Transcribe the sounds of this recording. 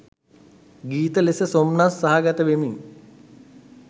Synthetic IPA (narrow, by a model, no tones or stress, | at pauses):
ɡiːt̪əlesəsomnasːaɦaɡat̪əʋemiŋ